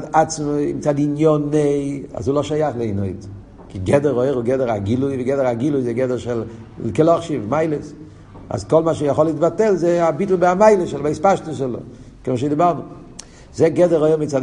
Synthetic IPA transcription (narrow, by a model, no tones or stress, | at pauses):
dat͡smə̰mɪt͡saːdinjɔnea̰zuːlˠɔʃajaχlˠeɪnoɪt | kɪɡɛdəɾoɪɾʊɡɛdəɾaɡiluviɡɛdəɾaɡilʊɪzeɡɛdəɾʃɛlˠkɛlˠɔχʃivmaɪlˠəs | a̰skɔlˠmaʃejəχɔlˠɪtbatɛlˠzeɪabɪtl̩ˠbaamaɪləʃɛlˠbaɪspaʃtəʃ̬ɛlˠo̰ | kɛnəʃeɪdɪbaldə | zeɡɛdəɾoɪɾmɪtt͡saːd